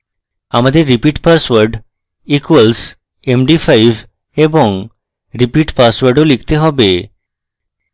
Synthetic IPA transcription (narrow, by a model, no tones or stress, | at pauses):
aməd̪ʱeɾipiʈpaɾsʋəɾɖ | ikʋəls | emɖifaiʋ | ebɔŋɡ | ɾipiʈpasʋəɾɖolikʰt̪eɦɔbe